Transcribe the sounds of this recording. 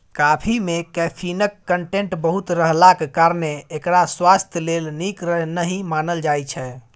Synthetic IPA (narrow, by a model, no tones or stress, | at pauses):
kapʰimekɛpʰinəkːəɳʈeɳʈbəɦut̪ɾəɦlakekaɾneːkɾaswast̪ʰjəlelnikɾəɦnəɦĩmanəld͡ʒajt͡ʃʰɛ